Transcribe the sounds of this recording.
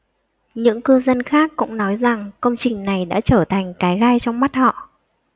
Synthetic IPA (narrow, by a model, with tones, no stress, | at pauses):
ɲɨ̰˧˥ŋkɨ˧zə˧nxaː˦˥kːʊ̰˧˥ŋ͡mnɔ˨˦jza˨˩ŋkə˧wŋ͡mt͡ɕï˨˩ŋ̟na˨˩jɗa̰ː˧˥t͡ɕəː˧˩t̪ʰa˨˩jŋ̟kaː˨˦jɣaː˧jt͡ɕɔ˧wŋ͡mma˦˥t̚hɔ̰˧˨